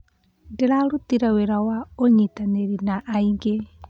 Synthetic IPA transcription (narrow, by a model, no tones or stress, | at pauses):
deɾaɾutiɾaweɾawaoɲitaneɾinaʔaiŋɡe